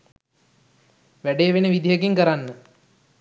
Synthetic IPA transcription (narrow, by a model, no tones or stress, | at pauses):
ʋæɖeʋenəʋid̪ijəkiŋkəɾanːə